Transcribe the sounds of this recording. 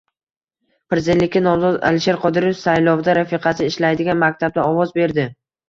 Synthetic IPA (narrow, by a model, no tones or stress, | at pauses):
pɾɪzelːɪkʲɪnɒwzɒza̰lɪʃe̞ɾqʰɒd̪ɪɾefsajlˠɒvd̪aɾafɪqʰɑsɪɪʃlajd̪ɪɡʲanmakʲt̪ʰab̚d̪aɒvɒzbe̞ɾd̪ɪ